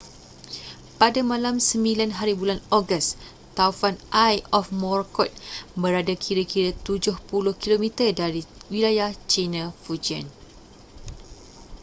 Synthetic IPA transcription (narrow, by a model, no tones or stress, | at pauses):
padamãlamsəmĩlanɦaɾibulanɔɡəs | t̪aufanʔajɔfmɔrkɔt̪̚bəɾadakʰiɾəkiɾət̪ud͡ʒʊhpulʊhkilomĩt̪ərdaɾiwilajaht͡ʃinãfud͡ʒiə̰n